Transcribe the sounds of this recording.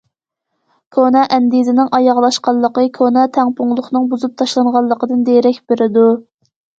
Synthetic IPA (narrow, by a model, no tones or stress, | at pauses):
kʲʰonɑʔɛnd̪izɪnɪŋʔɑjɑʁlˠɑʃqɑlˠːəqəkʲʰonɑt̪ʰɛŋpʰʊŋlˠʊχnɨŋbuzup̚t̪ʰɑʃlˠɑɴʁɑlˠːəqəd̪ɨnd̪eɾɛkʲbeɾɪd̪u